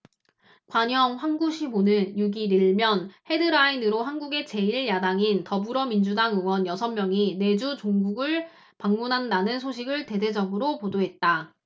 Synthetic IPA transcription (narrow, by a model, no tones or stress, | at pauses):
kwaɲʌŋɸwanɡuɕʰimonɯnjuɡiɾiɭmjʌnhe̞dɯɾainɯɾoɸanɡuɡe̞t͡ɕe̞iɭjadaŋintʌbuɾʌmind͡ʑudaŋɯŋwʌnjʌsʰʌmmjʌŋine̞d͡ʑut͡ɕoŋɡuɡɯɭ | paŋmunɦandanɯnsʰoɕʰiɡɯɭte̞de̞d͡ʑʌɡɯɾopodoɦe̞t̚t͈a